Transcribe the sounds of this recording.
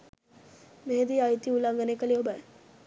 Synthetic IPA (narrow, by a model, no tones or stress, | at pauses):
meɦed̪iajt̪iulaŋɡənekəleobaj